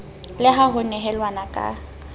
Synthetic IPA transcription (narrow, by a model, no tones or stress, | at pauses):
lɪɦaɦʊnɛɦɛlwanakʼa̰